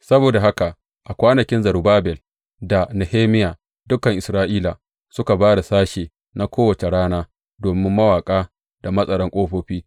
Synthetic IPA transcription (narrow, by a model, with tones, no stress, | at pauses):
sɐ˦boː˨da˨ɦa˦ka˨ʔ | ʔa˨kʷaː˦nɐ˨kʲɪ˦nzɐ˨ɾbaː˦bɛ˨l | da˨ne˨heː˦mɪ˦jaː˨ | dʊ˦kɐ˨ŋʔɪ˨sɾaː˦ʔiː˦la˨ | sʊ˦ka˨baː˦da˨saː˦ʃeː˨ | na˦kʷoː˦wɐ˨t͡ʃe˨ɽaː˦naː˦ | doː˨mɪ˦mːɐ˦waː˨kʼaː˦ | d̥a˨mɐ˦sʼɐ˨ɽɔ˦ŋkʷʼoː˦ɸoː˦ɸiː˦